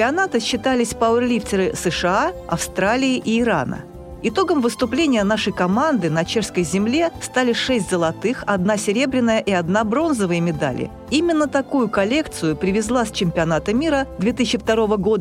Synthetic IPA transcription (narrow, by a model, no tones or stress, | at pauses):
pʲɪɐnat̪ɨɕːɪt̪alʲɪsʲpaʊɛrlʲiftʲɪɾɨsɨʂɨaɐ̰fst̪ɾalʲɪɪʔiːɾa̰nə̰ | ɪt̪o̞ɡəmvɨst̪ʊplʲenʲɪjənaʂəjkɐmand̪ɨnɐt͡ɕeʂskəjzʲɪmlʲe̞st̪alʲɪʂɛsʲtʲzəlˠɐt̪ɨxɐd̪nasʲɪɾʲe̞bɾʲɪnːəjəʔiɐd̪nabɾo̞nzəvəjəmʲɪd̪a̰lʲɪ̰ | imʲɪnːət̪ɐkujʊkɐlʲe̞kt̪sɨjʊpɾʲɪvʲɪzlˠasʲt͡ɕɪmʲpʲɪɐnat̪əmʲiɾəd̪vʲe̞t̪ɨsʲɪt͡ɕːɪft̪ɐɾo̞vəɡo̞d̪ə